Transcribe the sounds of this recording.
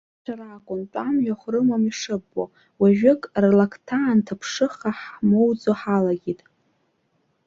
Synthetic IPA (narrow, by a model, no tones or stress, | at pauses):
t͡ʃʷʰaɾakʷʼʊntʷʼamʒᶣaχʷrɨmamiʂɨbːo̰ | waʒᶣɪkʼrlakʰtʰaːntʰapʰʂɨχaħmo̞wd͡zoħalaɡʲitʼ